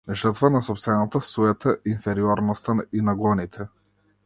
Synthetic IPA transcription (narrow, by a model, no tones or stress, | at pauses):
ʒəɾt̪vanasɔpst̪vɛnat̪asuɛt̪aʔinfɛɾiɔɾnɔst̪ainaɡɔnit̪ʰɛ